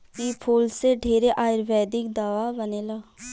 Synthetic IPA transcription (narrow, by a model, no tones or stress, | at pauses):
kipʰuːlseɖʱeːɾeʔaːɪɾʋɛːd̪ɪk̚d̪aːʋabəneːlaː